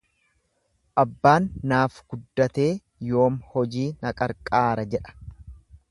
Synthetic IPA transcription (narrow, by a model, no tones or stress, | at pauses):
ʔɐbːaːnːaːfɡ̥ʊd̪ːɐt̪e̞ː | jo̞ːmhɔd͡ʒiːnɐkʼɐɾkʼaːɾɐd͡ʒɛᶑɐ̥